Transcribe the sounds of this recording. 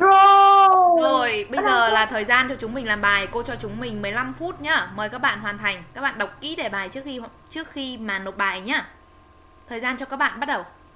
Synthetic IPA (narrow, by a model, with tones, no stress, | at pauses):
o˨ | zo˨˩jɓə˧jzəː˨˩laː˨˩t̪ʰəː˨˩jzaː˧nt͡ɕɔ˧t͡ɕʊ˨˦ŋ͡mmï˨˩ŋ̟laː˨˩mɓaː˨˩jko˧t͡ɕɔ˧t͡ɕʊ˨˦ŋ͡mmï˨˩ŋ̟mɨ˨˩əjla˧mfu˦˥t̚ɲaː˧məː˨˦jkaː˦˥k̚ɓa̰ː˧˨nɦwaː˨˩nt̪ʰa˨˩jŋ̟kaː˦˥k̚ɓa̰ː˧˨ɗə˨˩wk͡p̚kḭ˧˥ɗe˧˩ɓaː˨˩jt͡ɕɨ˦˥ək̚xi˧˨t͡ɕɨ˦˥ək̚xi˧maː˨˩no˨˩t̚ɓaː˨˩jɲaː˧ | t̪ʰəː˨˩jzaː˧nt͡ɕɔ˧kaː˦˥k̚ɓa̰ː˧˨nɓa˦˥t̚ɗə˨˩w